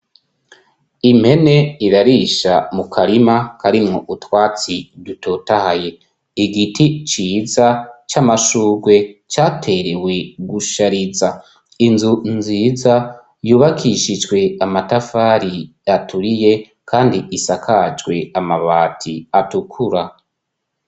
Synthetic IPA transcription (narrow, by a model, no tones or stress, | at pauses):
imhe̞ne̞iɾaɾiʃamukʰaɾimakaɾimŋo̰ʔutwaːt͡siduto̞tahaje̞ | iɡitʰit͡ʃiːzat͡ʃamaʃuːɡwe̞t͡ʃaːtʰe̞ɾe̞we̞ɡuʃaɾiza | inzunziːza | juːβakʰiʃid͡ʒɡwe̞amatafaɾi | atʰuɾije̞ | kʰaːndiʔisakʰad͡ʒɡwe̞amaβaːtʰiatukʰuɾa